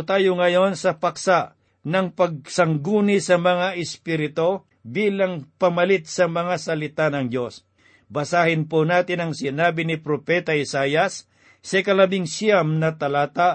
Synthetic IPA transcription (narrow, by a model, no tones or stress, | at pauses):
t̪aːjoŋɐjo̞nsɐpɐksaʔ | nɐŋpɐɡ̚sɐŋɡuːnɪsɐmɐŋaʔɪspiɾɪt̪o̞ | biːlɐŋpɐmɐlɪt̪̚sɐmɐŋasɐlɪt̪anɐŋd̪o̞s | bɐsaːhɪnponaːt̪ɪnɐŋsɪnaːbɪnɪpɾopɛt̪ɐɪsaːjɐsː | ɐkɐlɐbɪŋsamnɐt̪ɐlaːt̪a